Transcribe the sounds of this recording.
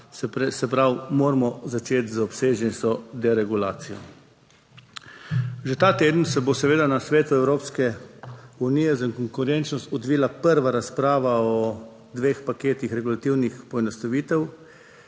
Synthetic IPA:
spɛsɛpɾawmoːɾmɔzat͡ʃeːt̪zaɔpseːʒɛnsɔd̪ɛɾɛɡula̰ːt̪sijɔ̰ | ʒet̪aːt̪eːd̪n̩sɛbosɛʋeːd̪anasʋeːt̪uɛwɾoːpskɛ | uniːjɛzaiŋkɔŋkuɾɛnt͡ʃnɔst̪ɔd̪ʋiːlapəɾʋaɾaspɾaːʋaɔ | d̪ʋeːxpakeːt̪ixɾɛɡulat̪iwnixpɔɛnɔst̪aʋiːt̪ɛw

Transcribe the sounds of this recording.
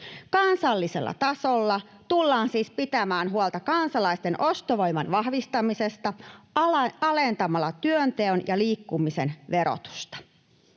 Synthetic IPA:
kɑnsɑlːise̞̰lːɑ̰t̪ɑsolːɑ | t̪ulːɑːnsiːspit̪æmæːnɦuolt̪ɑkɑnsɑlɑist̪e̞nʔo̞st̪oʋo̞jmɑnʋɑhʋist̪ɑmise̞st̪ɑ | ɑlent̪ɑmɑlɑt̪yønt̪eonjɑliːkːumise̞nʋe̞ɾo̰t̪u̥st̪ɑ̥

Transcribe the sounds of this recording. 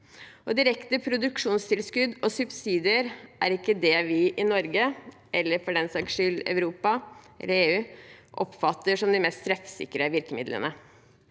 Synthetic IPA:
ʔɔd̪ɪɾɛkt̪əpʰɾʊd̪ʉkʂuːnst̪ʰɪlskʉd̪ɔsʉbsiːd̪ɪəɾʔæɾɪkːəd̪ɛʋɪʔɪnɔɾɡə | ʔɛlːəɾfɔɖɛnsɑɡʂʏlɑ̰ʉɾuːpɑʔɛ̰lːəɾeːʉːʔɔ̰pfɑt̪ːəʂɔmd̪ɪmɛst̪t̪ʰɾɛfsɪ̰kːəɾəʋɪɾkəmɪ̰d̪lə̰nə

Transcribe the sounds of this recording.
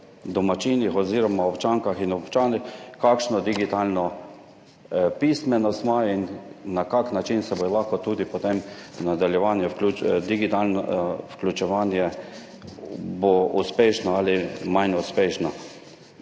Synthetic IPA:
d̪ɔmat͡ʃiːnixɔziːɾɔmaɔpt͡ʃaŋkaxinɔpt͡ʃaːnixkakʃnɔd̪iɡit̪alnɔ | pismɛnɔst̪mainːakaknat͡ʃinsɛbɔlaxkɔt̪uːd̪ipɔt̪emnad̪aljɛʋanjɛwklut͡ʃd̪iɡit̪aln̰wklʲut͡ʃɛʋaːnjɛ | bouspeʃnɔalimajnuspeːʃnɔ

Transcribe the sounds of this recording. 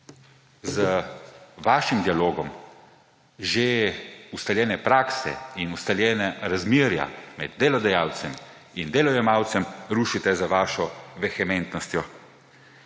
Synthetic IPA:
zə | ʋaːʃimd̪ialoːɡɔm | ʒeust̪aljɛːnɛpɾaːksɛ̰inust̪aljɛːnɛɾazmiɾja̰mɛ̰d̪dːelɔd̪ɛjaːwt̪sɛm | ind̪eːlɔjɛmaːwt̪sɛmɾuːʃit̪ɛzaʋaːʃɔʋɛxɛmɛnt̪nɔst̪jɔ

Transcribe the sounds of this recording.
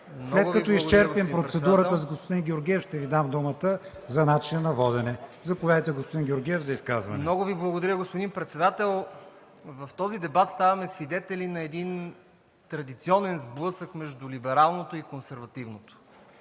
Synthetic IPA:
msnlɛt̪ɡkɐt̪ɔist͡ʃɛɾpimpɾot̪sɛd̪uɾət̪əzɐɡospod̪inɡʲɛoɾɡʲiɛfʃt̪ɛvid̪amd̪umət̪ə | zɐnat͡ʃinənɐvɔd̪ɛnɛzɐpovjad̪əjt̪ɛɡospod̪inɡʲɛoɾɡʲiɛvzɐiskazvɐ̰nɛnɔɡʊviblˠɐɡod̪ɐɾʲəɡospod̪inpɾɛt̪sɛd̪at̪ɛlˠ | vɐft̪ɔzid̪ɛbat̪st̪avɐmɛsvid̪ɛt̪ɛlinɐɛd̪in | t̪ɾɐd̪it̪siɔnɛnzblˠɤsəkmɛʒd̪ulibɛɾalˠnot̪oikonsɛɾvɐt̪ivnot̪o̥

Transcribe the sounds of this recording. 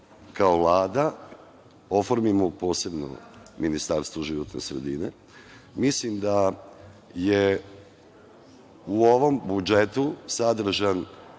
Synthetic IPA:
kaoʋlˠaːd̪a | o̞foɾmimopo̞ːse̞bno̰minist̪aɾst̪vʋoʒiʋot̪nḛsɾed̪inḛ | mislimd̪a | je | uo̞ʋo̞mbud͡ʒet̪usad̪r̩ʒan

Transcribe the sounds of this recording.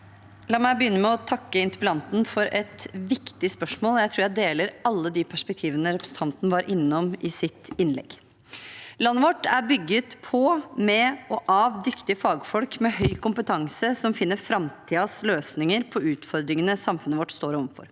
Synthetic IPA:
lɑːmæɪbəjʏnːəmɛɔt̪ʰɑkːəɪnt̪əpɛlɑnt̪n̩fɔɾɛt̪ʋɪkt̪ɪspœʂmoːljæɪt̪ʰɾuːɾjæɪd̪eːləɾɑlːəd̪ipʰæʂpɛk̚t̪ʰiːʋənəɾɛpɾə̥sət̪ʰɑnt̪ənəʋɑːɾʔɪnːɔmɪsɪt̪ɪnlɛ̰ɡ | lɑnːəʋɔʈːæɾbʏɡːət̪pʰɔmɛɔʔɑːʋd̪ʏkt̪ɪfɑːɡfɔlkmɛɦœʏkʊmpət̪ʰɑŋsəsɔmfɪnːəɾfɾɑmt̪ʰiːɑsløːsnɪŋəɾpʰɔʉːt̪fɔɾd̪ɾɪŋənəsɑmfʉnəʋɔʈːst̪oːɾɔʋfɔ̰ɾ

